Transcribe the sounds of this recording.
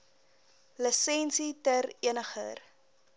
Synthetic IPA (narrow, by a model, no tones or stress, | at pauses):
ləsɛnsitəɾiənəχə̰r